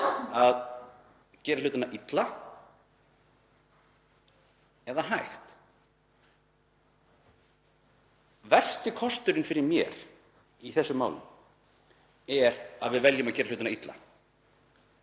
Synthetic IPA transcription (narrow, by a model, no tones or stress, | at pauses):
að | cɛːɾalʏːt̪anaʔit̪la | ɛðaɦajxt̪ | vɛr̥st̪ɪkʰɔst̪ʏɾɪnfɪɾɪɾmjɛ̰ɾ̥ | iθɛsːʏmːa̰ːwlʏ̰m | ɛɾa̰ðvɪðvɛljʏmaðcɛːɾalʏːt̪anait̪la̰